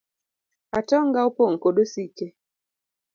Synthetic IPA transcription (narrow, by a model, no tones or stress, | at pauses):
atɔŋɡaupoŋ̩koɗosike